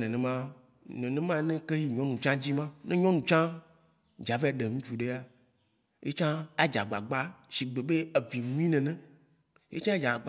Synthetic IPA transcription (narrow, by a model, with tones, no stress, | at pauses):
nẽ˨nẽ˨mã˦ | nẽ˨nẽ˦mã˦nẽ˦ke˦ji˨ɲɔ̃˦nũ˨t͡ʃã˦d͡ʑi˦mã˦nʔẽ˦ɲɔ̃˦nũ˨t͡ʃã˦ | d͡ʒa˨ve˦a˨ɖe˨ŋũ˦t͡ʃu˨ɖe˦a˦ | jḛ˦t͡ʃã˦a˦d͡ʒa̰˨ɡ͡ba˨ɡ͡ba˦ʃi˨ɡ͡be˨be˦e˨vi˨nũ˦ĩ˦nɛ̃˨nɛ̃˨ | jḛ˦t͡ʃã˦d͡ʒa˨ɡ͡b